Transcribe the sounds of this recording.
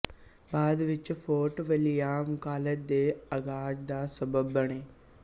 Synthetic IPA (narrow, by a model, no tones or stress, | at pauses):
baːd̪ʋɪt͡ʃfʰoːʈʋəlijaːmʊkaːləd̪eːɐɡaːd͡ʒd̪aːsəbəbːɐɽ̃eː